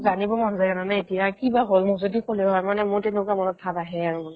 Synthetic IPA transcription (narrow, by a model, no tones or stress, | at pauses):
zanibɔmɔnzajkananɛetijakibaɦolmuzodixolɛɦɔjmanɛmʊɹtenukamɔnɔk̚tʰːataɦɛaɹumɔn